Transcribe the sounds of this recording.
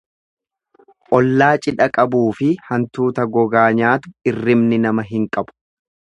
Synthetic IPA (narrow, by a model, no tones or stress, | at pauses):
ʔɔlːaːt͡ʃʼɪᶑɐkʼɐbuːfɪhɐnt̪uːt̪ɐɡɔɡaːɲaːt̪ʊɪrːɪmnɪnɐmɐɦɪŋkʼɐbʊ̥